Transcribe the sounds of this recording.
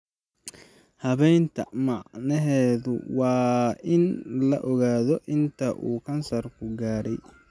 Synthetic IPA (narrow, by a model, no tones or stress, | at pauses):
hɐβɛjnt̪ʰɐ̰mɑʕnɛɦɛːðʊ̰wɑːɪnlɐʔɔɣaːðɔʔɪnt̪ʰɐʔuːkʰɐnsɐrkʰʊɡaːɾɛj